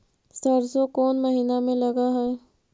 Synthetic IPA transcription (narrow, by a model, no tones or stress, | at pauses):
sɐɾzokɔːnmɐɦiːnamẽlɐɡaɦɛ